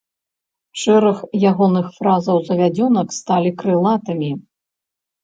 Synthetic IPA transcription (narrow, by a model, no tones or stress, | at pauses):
ʂɛɾɐxjaɣɔnɨxfɾazɐwzɐvʲad͡zʲɔnɐkst̪alʲikɾɨlˠat̪ɨmʲi